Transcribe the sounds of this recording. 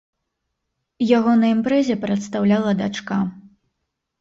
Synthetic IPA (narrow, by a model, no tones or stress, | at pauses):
jaɣɔnɐimpɾɛzʲɛpɾɐt̪st̪awlʲalˠɐd̪at͡ʂka